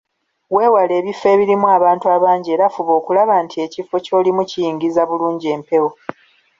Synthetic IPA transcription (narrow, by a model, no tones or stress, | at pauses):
we̞ːwale̞ːβife̞ːβiɾimuaːβaːntuaβaːɲɟe̞ːɾafuβo̞ːkulaβaːntʰie̞cifo̞co̞ːlimucijiːŋɡizaβuluːɲɟieːmpe̞wo